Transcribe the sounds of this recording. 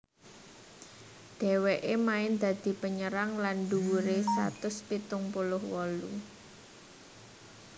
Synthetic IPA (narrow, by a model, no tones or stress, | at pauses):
d̪̥ɛ̤weʔemaɪnd̪ä̤d̪̥i̤pəɲəɾaŋlanɖuwuɾesa̰t̪ʊspit̪ʊŋpulʊhwɔlṵ